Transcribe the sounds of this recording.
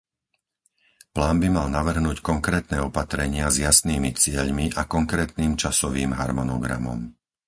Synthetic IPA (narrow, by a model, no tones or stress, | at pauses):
plaːnbimalnaʋr̩ɦnuːckɔŋkɾɛːt̪nɛːɔpat̪ɾɛɲɪazjasniːmit͡sɪɛʎmiʔakɔŋkɾɛːt̪niːmt͡ʃasɔʋiːmɦaɾmɔnɔɡɾa̰mɔ̰m